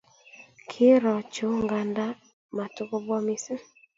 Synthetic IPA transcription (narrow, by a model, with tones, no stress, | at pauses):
kʰɪ˦ɾɔ˨t͡ʃo˦ŋŋɡa˨nda˦ | ma˨tʊ˦ko˦bwɔ˦mi˦se˦